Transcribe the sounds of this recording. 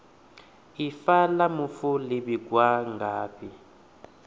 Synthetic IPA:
ifalamufulibiɡwaŋɡaːpʰi

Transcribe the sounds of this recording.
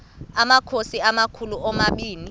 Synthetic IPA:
amakʰosiamakʰuluʔɔmaɓiːni

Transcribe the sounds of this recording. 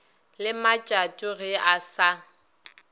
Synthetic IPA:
lɪmat͡ʃʼat͡ʃʼʊɣɪasa

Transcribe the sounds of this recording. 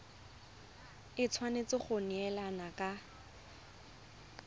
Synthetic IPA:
ɪt͡sʰwanet͡sɪχʊnɛlanakʼa

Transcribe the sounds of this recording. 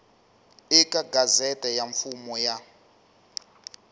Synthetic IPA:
ikʼaɡazɛtʼɛjaɱfumɔja

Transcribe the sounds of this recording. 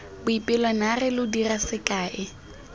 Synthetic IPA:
bʊipʼɪlwanarɪlʊdirasɪkʼaːʔɪ

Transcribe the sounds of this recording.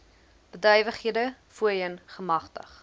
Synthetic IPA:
b̥ədœjvəχɦiədəfuəjənχəmɐχtə̰χ

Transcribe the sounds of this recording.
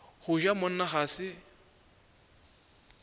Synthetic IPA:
hʊʒamʊn̩naɣaːsɪ

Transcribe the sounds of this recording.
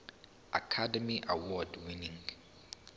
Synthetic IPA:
a̰kʰadɛmiʔa̰wɔdwinĩŋ

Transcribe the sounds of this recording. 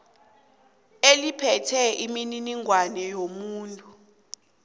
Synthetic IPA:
elipʰɛtʰɛimininiŋwanɛjomuːntʼu

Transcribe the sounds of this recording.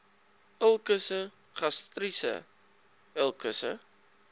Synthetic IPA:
əlˠkəsə | χɐstrisə̰ | əlˠkəsə̰

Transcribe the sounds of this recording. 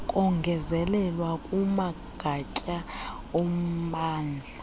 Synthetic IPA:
kʼɔŋɡʱɛzɛlɛlwakʼuma | ɡ̥ʱat͡ʃʼa | ɔm̩ɓaːnd͡ɮʱa

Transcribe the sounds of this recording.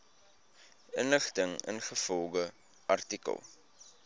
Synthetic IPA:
ənləχtəŋə̰nχəfɔlˠɡə | ʔɐrtikə̰lˠ

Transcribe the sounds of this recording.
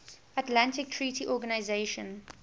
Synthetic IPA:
atlãntɪk̚tʰɹiːtiʔɔɡanaɪzeʃə̰̃n

